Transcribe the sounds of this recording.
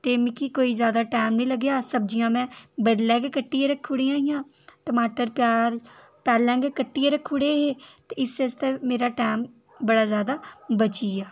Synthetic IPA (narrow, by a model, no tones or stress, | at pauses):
t̪eːmɪkiːkoːiːzjaːd̪aːʈaːmnĩːləɡjaːsəb̚d͡ʒijãːmɛ̃ːbəɖlɛ̃ːɡkəʈːiːeɾəkʰːuɽiːaːijãː | ʈəmaːʈəɾpɪjaːɾ | pɛːlɛ̃ːɡekəʈːieɾəkʰːʊɽeːɦeːt̪eːɪsest̪ẽːmeːɾaːʈaːm | bəɽaːzjaːd̪aːbət͡ʃiːaː